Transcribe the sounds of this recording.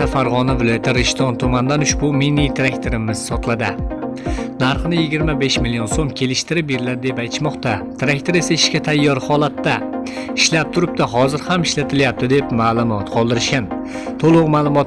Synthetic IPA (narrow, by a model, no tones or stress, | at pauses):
afaɾʁɒnavɪlˠɒjat̪ʰɪɾɪʃt̪ʰɒnt̪ʰʊmand̪anʊʃbʊminit̪ʰɾekʲt̪ʰoɾɪmɪz̥sɒt̪ʰlˠad̪ɪ | naɾχɨnɪjɪɡʲɪɾmabe̞ʃmɪlijonsomkʲʰe̞lɪʃt̪ɪɾɪp̚beɾɪlad̪ɪd̪e̞pajt̪ʰɪ̥ʃmɒqt̪at̪ʰɪɾakʲt̪ʰoɾe̞saɪʃkʲat̪ʰajːɒɾhɒlˠat̪ːa | ɪʃlap̚t̪ʰʊɾɪp̚t̪aɦɒzɪɾhamɪʃlat̪ʰɪljap̚t̪ɪd̪e̞pmaːlˠʊmɒt̪qʰɒlˠd̪ɪɾɪʃkʲan | t̪ʰolˠʊqmaːlˠʊmɒt̪